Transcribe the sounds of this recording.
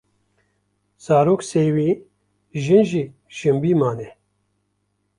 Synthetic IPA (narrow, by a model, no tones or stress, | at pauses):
z̥aːɾoːkseːwiː | ʒɨnʒiː | ʃɨmbiːmaːnɛ